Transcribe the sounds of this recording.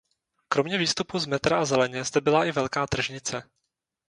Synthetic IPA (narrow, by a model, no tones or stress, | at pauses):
kɾo̞mɲɛviːst̪upuzmɛt̪ɾaazɛlɛɲɛzd̪ɛbɪlaʔɪvɛlkaːt̪r̩ʒɲɪt͡sɛ